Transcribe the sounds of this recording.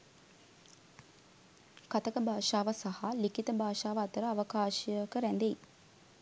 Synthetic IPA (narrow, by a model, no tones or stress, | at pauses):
kat̪əkəbʱaːʃaːʋəsahalikit̪əbʱaːʃaːʋəːt̪əɾəaʋəkaːʃiəkəɾænd̪ej